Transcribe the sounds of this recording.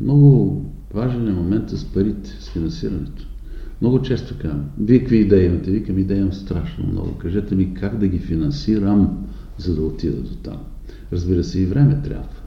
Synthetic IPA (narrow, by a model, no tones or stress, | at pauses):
mnɔɡʊ | vaʒɛnjɐmomɛnt̪əspɐɾit̪ɛ̥sfinɐ̃nsiɾɐnɛt̪o̥ | mnɔɡʊt͡ʃɛst̪okazmvikəkviːd̪ɛint̪ɛvikɐmid̪ɛjɐmst̪ɾaʃno̰mnɔ̰ɡʊ̰kɐʒɛt̪ɛmikaɡd̪ɐɡifinɐnsiɾəm | zɐd̪ɐot̪id̪ɛ̰d̪ot̪a̰m | ɾɐzbiɾəsɛivɾɛmɛt̪ɾʲʔa̰bvə